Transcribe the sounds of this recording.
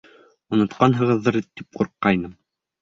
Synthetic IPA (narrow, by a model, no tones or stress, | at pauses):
unŏt̪qɑnɦɤ̆ʁɤ̆ðːɤɾt̪ip̚qŭɾqːɑjnɤm